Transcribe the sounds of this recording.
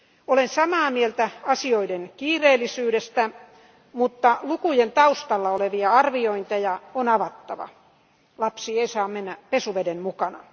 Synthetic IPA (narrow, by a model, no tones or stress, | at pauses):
olensɑmɑːmielt̪æɑsioidenkiːreːlːˑisyːɾest̪æ | mut̪ːɑlukujent̪ɑust̪ɑlːɑoleʋiɑɑrʋioint̪ejɑonɑʋɑt̪ːɑʋɑ̰ | lɑpsiːeisɑːmmenːæpesuʋedemmukɑnɑ̰